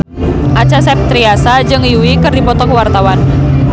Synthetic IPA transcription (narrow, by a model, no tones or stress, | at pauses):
ʔat͡ʃasɛp̚t̪ɾiasad͡ʒɨŋiuwikɨrdipɔt̪ɔkwart̪awan